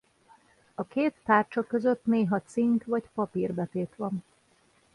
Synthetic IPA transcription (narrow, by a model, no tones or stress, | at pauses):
ɒkeːt̪ːaːrt͡ʃɒkø̞zøt̪neːɦɒt̪siŋkʋɒcpɒpirbɛt̪eːt̪ʋɒn